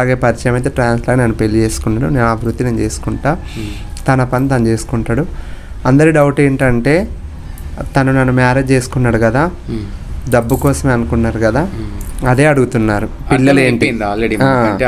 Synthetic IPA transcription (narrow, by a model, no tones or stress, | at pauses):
ɐlaːɡeːpɐɾit͡ʃɐjɐmɐjt̪̬eːʈɾaːnslaːɡnɐnːupe̞lːit͡ʃe̞ːsu̥kunːaːɽuneːnuaːbʱɾut̪ːinɐnt͡ʃe̞ːsu̥kuɳʈaː | t̪ɐnɐpɐnit̪ɐnut͡ʃe̞ːsu̥kuɳʈaːɽu | ɐnd̪ɐɾiɖɐwuʈeːɳʈɐɳʈe̞ː | t̪ɐnunɐnːumaːɾed͡ʒt͡ʃe̞ːsu̥kunːaːɽukɐd̪aː | ɖ̪ɐbːukɔːsɐmeːɐnukunːaːɾukɐd̪aːɐd̪e̞ːɐɽuɡut̪unːaːɾu | ilːɐleːɳʈiaː